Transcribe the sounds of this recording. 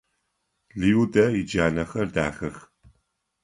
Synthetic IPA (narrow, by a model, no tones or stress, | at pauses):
liudɐjɪd͡ʒaːnɐxɐrda̰ːxɐx